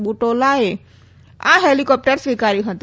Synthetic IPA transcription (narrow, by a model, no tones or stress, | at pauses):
buʈolae | ã̰ɦelikɔːp̚ʈəɾsʋikaːɾiɦə̃t̪